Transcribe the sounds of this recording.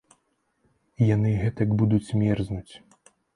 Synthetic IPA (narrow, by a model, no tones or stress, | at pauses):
ijanɨɣɛt̪ɐɡbud̪ut͡sʲmʲɛrznut͡sʲ